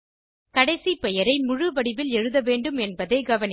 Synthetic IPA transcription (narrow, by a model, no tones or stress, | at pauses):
kɐɽɐɪsipɛjɐɾɐɪmʊɻɯʋɐɽɪʋɪlɛɻɯðɐʋeːɳɖɯmɛnbɐðeːɡɐʋɐnɪ